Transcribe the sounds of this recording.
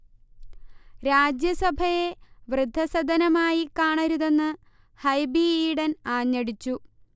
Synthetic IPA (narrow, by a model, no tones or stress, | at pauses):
ɾaːd͡ʑjɐsɐbʱɐje̞ʋrɨd̪ʱːɐsɐd̪ʱɐnɐmaːjikaːɳɐɾuðe̞nːɨ | hɐjbiiɽɐnaːɲːɐɽit͡ɕːu